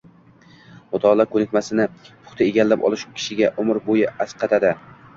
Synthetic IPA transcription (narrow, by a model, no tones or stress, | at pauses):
ɒt̪ʰɒlˠakʰɵnɪk̚ʲmasɪnɪpʰʊ̥χt̪ʰaeɡʲalːapɒ̰lˠɪʃukʲʰɪ̥ʃɪɡʲaʔʊmɪɾbojɪasqʰɑt̪ʰad̪ɪ